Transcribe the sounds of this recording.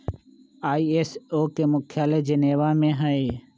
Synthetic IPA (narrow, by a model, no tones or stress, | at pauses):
aːieːsoːkemʊkʰjaːled͡ʒəneːʋaːmẽɦəe